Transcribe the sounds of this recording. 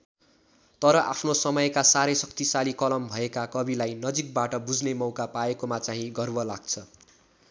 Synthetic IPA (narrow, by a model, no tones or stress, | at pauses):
t̪ʌɾʌʔapʰnosʌmʌjkasaɾesʌk̚t̪isalikʌlʌmbʱʌekakʌbilajnʌd͡zik̚baʈʌbud͡znemʌwkapaekomat͡saɦĩɡʌrbʌlaɡ̚t͡sʰʌ